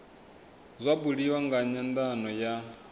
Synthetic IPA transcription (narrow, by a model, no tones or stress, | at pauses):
zʷabuɺiwaŋɡaɲand̪anɔja